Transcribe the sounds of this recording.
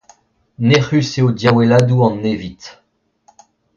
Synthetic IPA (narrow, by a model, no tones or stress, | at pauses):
neχyseod̪jawɛlad̪uɑ̃nːevit̪